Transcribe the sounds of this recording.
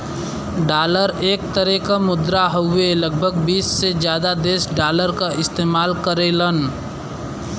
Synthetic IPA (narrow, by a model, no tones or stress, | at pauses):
ɖaːləɾeːk̚t̪əɾɛkamʊd̪ɾaɦoeləɡ̚bʱəɡbiːsːed͡ʒjaːd̪ad̪eːsɖaːləɾkaʔɪst̪eːmaːlkəɾelən